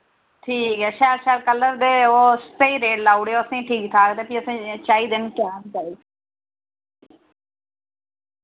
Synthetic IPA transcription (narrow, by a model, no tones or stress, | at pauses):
ʈʰiːkɦɛːʃaːlʃaːlkəlːəɾd̪eːoːst̪eːiːɾeːɖlaːuɽeːoːəsĩːʈʰiːk̚t̪ʰaːkt̪eːpiəsĩːt͡ʃaːiːd̪ɪnkjaːd͡ʒaːiː